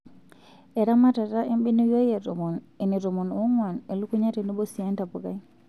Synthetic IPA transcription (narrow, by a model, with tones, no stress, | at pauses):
e˨ɾa˦ma˦ta˨ta˦ʔe˦mbi˦ni˦jo˦je˨ | e˨ni˨ɾo˨mo˨nu˦ŋwa˨ne˨lu˦ku˦ɲa˦te˨ni˦bo˦si˨a˦nta˨pu˨ka˦